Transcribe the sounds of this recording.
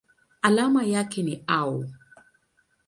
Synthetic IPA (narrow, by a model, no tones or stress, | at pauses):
alamajakɛniau